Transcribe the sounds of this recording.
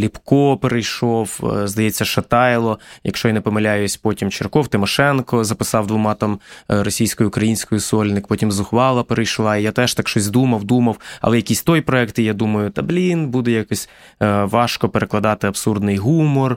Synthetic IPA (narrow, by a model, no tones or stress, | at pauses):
lʲipkɔpeɾejʃɔwzd̪ɐjɛt͡sʲːɐʃɐt̪ɑjlˠɔjɐ̰kʃt͡ʃɔjanɛpɔmɐlʲajʊsʲpɔtʲimt͡ʃɪrkɔwt̪ɪmɔʃɛnkɔzɐpɪsɑwd̪ʋʊmɑt̪ɑmɾɔsʲijsʲkɔjʊʊkɾɐjinʲsʲkɔjʊsɔlʲnɪkpɔtʲimzʊxʋɑlˠɐpeɾejʃlˠɑijat̪ɛʃt̪ɑkʃt͡ʃɔsʲd̪umɐwd̪umɐwɐ̰lˠɛjɐkʲisʲt̪ɔjpɾɔɛkt̪ijad̪umɐjʊt̪ɐblʲinbud̪ɛjɐkɔsʲ | ʋɑʃkɔpeɾeklˠɐd̪ɑt̪ɪɐbsurd̪nɪjɦumɔr